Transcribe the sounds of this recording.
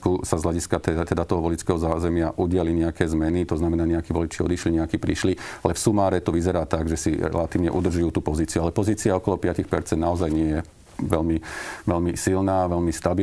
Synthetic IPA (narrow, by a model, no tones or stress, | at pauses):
kusazɦlaɟiskat̪ɛt̪ɛd̪at̪ɔɦɔʋɔlit͡skɛɦɔzaːzɛmɪaʔuɟɪaliɲɛakɛːzmɛnit̪ɔznamɛnaːɲɛakiːʋɔlit͡ʃiːɔ̰d̪iʃliɲɛakiːpɾiʃlialɛfsumaːɾɛt̪ɔʋizɛɾaːt̪aɡʒɛsiɾɛ̰lat̪iːʊʋɲɛ̰ʔud̪r̩ʒujuːt̪uːpɔziːt͡siualɛpɔziːt͡siaɔkɔlɔpɪacixpɛ̰ɾt͡sɛnd̪naɔzajɲɪɛjɛ | ʋɛlmiʋɛlmisilnaːʋɛlmist̪abi